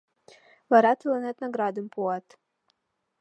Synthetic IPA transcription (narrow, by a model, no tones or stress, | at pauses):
vaɾat̪lˠanɛt̪naɡɾad̪ɨmpʰuat̪